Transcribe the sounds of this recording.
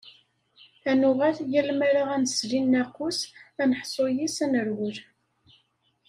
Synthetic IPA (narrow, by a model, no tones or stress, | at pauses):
ænʊʁæljælmæɾaʁænəsɾinːæqːʊsænəħsˤojisænəɾwəɾ